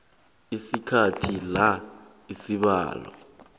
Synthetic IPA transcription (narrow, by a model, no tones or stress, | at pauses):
isikʰatʰila | isiɓa̰ːlɔ̰